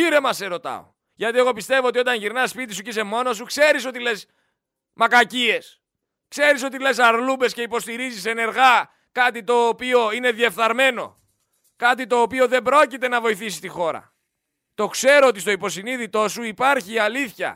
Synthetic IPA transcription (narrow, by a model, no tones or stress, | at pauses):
iɾe̞mɐse̞ɾo̞t̪ɐ̰o̞̰ | ʝɐt̪ie̞ɣo̞pist̪e̞voo̞t̪iot̪ɐnʝiɾnɐspit̪isucise̞mo̞no̞s̬ukse̞ɾiso̞t̪ile̞s | mɐkɐcie̞s | kse̞ɾiso̞t̪ile̞s̬ɐɾlube̞sce̞ipo̞st̪iɾizise̞ne̞ɾɣɐ | kɐt̪it̪o̞ːpio̞ine̞ðie̞fθɐɾme̞no̞̰ | kɐt̪̬it̪o̞ːpio̞ðe̞mbɾo̞cit̪e̞nɐvo̞iθisi̥st̪ixo̞ɾɐ̰ | t̪o̞kse̞ɾoot̪ist̪o̞ipo̞siniðit̪o̞suipɐɾçiɐliθçɐ̰